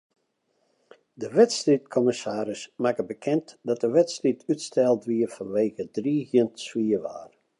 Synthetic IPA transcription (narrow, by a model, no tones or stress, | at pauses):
dəʋɛtstrit̚kʰɔməsaːɾɪsmakəbəkʰɛntdɔt̚əʋɛtstritʰytstʰɛlˠdʋiəfɔnʋeːɣədriːhjəntswiəʋa̰ːr